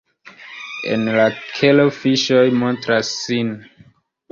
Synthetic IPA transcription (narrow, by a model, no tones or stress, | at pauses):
ḛnlakʰelofiʃojmo̞ntɾasːin